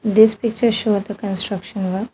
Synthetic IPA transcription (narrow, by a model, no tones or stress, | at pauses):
d̪ispik̚t͡ʃəɾʃoːɖ̚d̪əkə̃nsʈɾɐkʃə̃nʋə